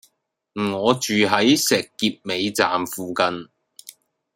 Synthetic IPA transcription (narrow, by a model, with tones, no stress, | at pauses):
m̩˨˩ŋɔː˨˧t͡ʃyː˨ɦɐ˨˥jsɛː˨˩kːiː˧p̚me˨˧jt͡sa̰ː˨mfuː˨kɐ˧n